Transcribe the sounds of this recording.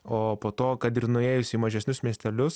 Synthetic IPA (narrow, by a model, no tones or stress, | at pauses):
oːpoːt̪oːkɐt̪ɪɾnʊeːjʊsʲiːmɐʒʲɛsʲnʲʊsmʲiɛsʲt̪ʲɛlʲʊs